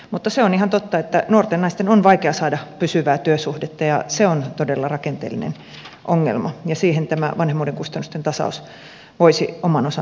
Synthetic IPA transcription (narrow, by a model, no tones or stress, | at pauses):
mut̪ːɑseonihɑnt̪ot̪ːɑet̪ːænuort̪enːɑist̪enonʋɑikeɑsɑːdɑpysyʋæːt̪yøsuhdet̪ːɑjɑseont̪odelːɑrɑkent̪ḛːlːˑḭnḛn | ʔoŋːḛlmɑjɑsiːhent̪æmæʋɑnhemːˑuːdeŋkust̪ɑnːust̪ent̪ɑsɑ̰us | ʋoisiomɑnosɑ